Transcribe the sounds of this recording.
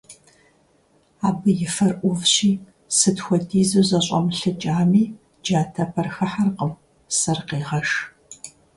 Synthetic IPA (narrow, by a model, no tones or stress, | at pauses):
aːbɨjɪfɐrʔʷʊvɕiː | sɨtxʷɔdʰiːzɐzɐɕʷʼɐmɬɨd͡ʒʼaːmiː | d͡ʒaːtʰɐpʰɐrxɐħarqəm | sɐrqeːʁɐʂ